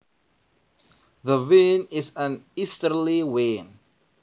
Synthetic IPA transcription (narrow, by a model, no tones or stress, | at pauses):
ðəvĩnɪzə̃nistəliwĩn